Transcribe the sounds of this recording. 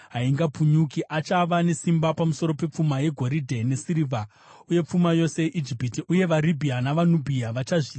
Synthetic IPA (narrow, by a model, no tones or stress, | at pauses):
ɦaiŋɡapʰuɲukiʔat͡ʃaʋane̞simbapamuso̞ɾo̞pe̞p͡fumaje̞ɡʱo̞ɾidʱe̞ne̞siɾivʱa | uje̞p͡fumajo̞se̞jeʔid͡ʒipitiuje̞ʋalibʱianaʋanubʱiaʋat͡ʃaʐi